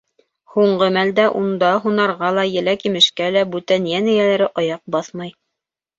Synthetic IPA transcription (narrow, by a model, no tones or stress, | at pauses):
huɴɢɤmæld̪æʔund̪ɑɦunɑɾʁɑlˠɑjɘ̆lækimɘ̆ʃkælæbʉt̪ænjænɘ̆jælæɾɘʔɑjɑq̚bɑθmɑj